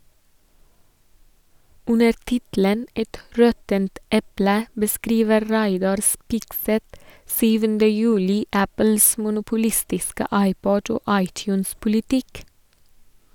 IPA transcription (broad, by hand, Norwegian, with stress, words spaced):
ˈʉnəɾ ˈtɪtl̩ən ˈɛt ˈɹɔtənt ˈɛplə bəˈskɾiːʋəɾ ˈɾæɪdɑɾ ˈspɪɡsɛt ˈsyːʋəndə ˈjʉːlɪ ˈæpəls mʊnʊpʊˈlɪstɪskə ˈɑɪˌpɔɟ ˈoː ˈɑɪˌtjʉːns pʊlɪˈtɪk